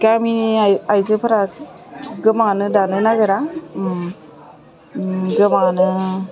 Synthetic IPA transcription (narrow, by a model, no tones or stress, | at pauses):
ɡaminiajzɯpʰaɾa | ɡɯmanɯdanɯnaɡɯɾa | ɡɯmaŋnɯ